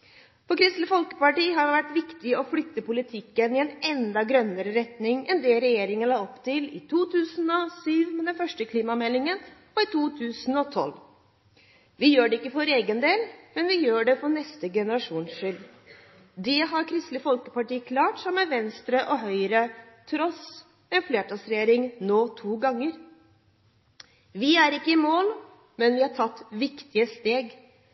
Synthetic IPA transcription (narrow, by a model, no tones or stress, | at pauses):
fɔkʰɾɪst̪ləfɔlkə̥pɑʈiːɦɑɾʋæʈːʋɪkt̪ɪɔflʏt̪ːəpʊlɪt̪ʰɪkːənɪɛnɛnd̪ɑɡɾœnːəɾəɾɛt̪nɪŋɛnd̪ɛːɾɛjeːɾɪŋənlɑːɔpːt̪ɪlɪ̰t̪ʰuːt̪ʰʉːsn̩ɔsyːʋmɛd̪ɛnfœʂʈəkʰliːmɑmɛlːɪŋən | ɔɪt̪ʰuːt̪ʰʉːsn̩ɔt̪ʰɔ̰l | ʋɪjøːɖɛɪkːəfɔɾeːɡənd̪eːlmɛnʋɪjøːɖɛfɔnɛst̪əɡɛnəɾɑʂuːnʂʏl | d̪ɛɦɑɾkʰɾɪst̪ləfɔlkəpɑʈiːkʰlɑːʈsɔmːəʋɛnst̪ɾəʔɔɦœʏɾət̪ʰɾɔs | ɛnfleːʈɑsɾɛjeːɾɪŋnoːt̪ʰuːɡɑŋːəɾ | ʋɪæɾɪkːəɪmoːl | mɛnʋɪhɑʈʰɑt̪ːʋɪkt̪ɪəst̪eːɡ